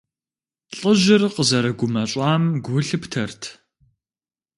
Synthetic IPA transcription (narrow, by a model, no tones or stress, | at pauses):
ɬʼəʑɪrqəzɐɾɐɡʷʊmɐɕʼɑːmɡʷʊɬɨptʰɐrtʰ